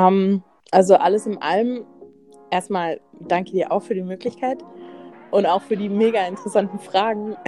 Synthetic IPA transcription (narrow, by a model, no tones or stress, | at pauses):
ʔɛm | ʔalzoʔaləsɪmʔa̰lm | ʔeːɐstmaːld̥aŋkədiːɐʔaʊxfyːɐdiːmøːklɪçkʰaɪtʔʊntaʊxfyːɐdiːmeːɡaɪntəʁɛsantn̩fʁ̥aːɡŋ̩